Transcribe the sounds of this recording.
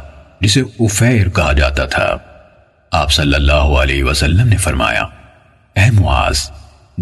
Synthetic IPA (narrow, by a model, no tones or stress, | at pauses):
d͡ʒɪseʊfɛːɾkɐɦad͡ʒa̰ːt̪at̪ʰa̰ː | aːpsɐlːəlːaːɦoɐlɛ̰ːɦiʋɐsɐlːəmnefɐɾma̰ːja̰ | ɛːmʊa̰ːz̥